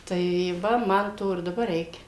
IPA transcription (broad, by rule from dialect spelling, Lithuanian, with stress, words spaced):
tɐɪ ˈʋɐ ˈmɐn ˈtoː ɪr dɐˈbɐr ˈrʲɛɪkʲɛ